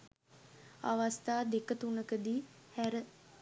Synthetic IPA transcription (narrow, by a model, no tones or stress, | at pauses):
a̰ʋast̪aːd̪ekət̪unəkəd̪iːhæɾə